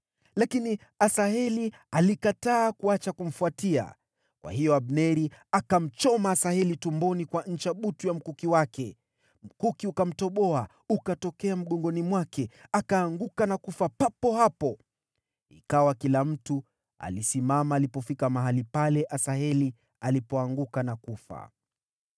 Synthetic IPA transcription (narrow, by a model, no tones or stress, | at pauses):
lakini | asaɦɛli | alikataːkuat͡ʃakum̩fuatia̰ | kwa̰hijɔaɓnɛɾiakam̩t͡ʃɔmaːsahɛlitumbɔnikwaɲ̩t͡ʃaɓutujam̩kukiwakɛ | m̩kukiukam̩tɔɓɔa | ukatɔkɛam̩ɠɔŋɡɔnimwakɛakaːŋɡukanakufapapɔhapɔ | ikawakilam̩tu | a̰lisimamaːlipɔfikamaɦalipalɛʔasaɦɛli | alipɔaŋɡukanakufa̰